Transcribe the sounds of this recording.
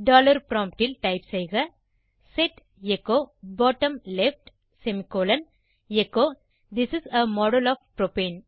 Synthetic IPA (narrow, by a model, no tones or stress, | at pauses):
ɖɔːlɐɾpɾɔ̃ːmp̚ʈɪlʈaɪpsejɣɐ | seʈ | ekoːbɔːʈɐ̃mlefʈ | semikoːlɐn | ekoː | d̪ɪsɪsɐmɔːɖəlɔːʋpɾopẽːn